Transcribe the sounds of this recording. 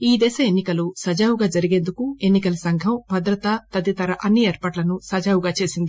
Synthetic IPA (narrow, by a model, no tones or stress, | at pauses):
iːd̪ɛːʃɐenːikɐlusɐd͡ʒaːwuɡaːd͡ʒɐɾiɡe̞ːnd̪ukue̞nːikɐlɐsɐŋɡʱɐmbʱɐd̪ɾɐt̪ɐt̪ɐd̪it̪ɐɾɐʔɐnːieːɾpaːʈlɐnusɐd͡ʒaːwuɡaːt͡ʃe̞ːsind̪i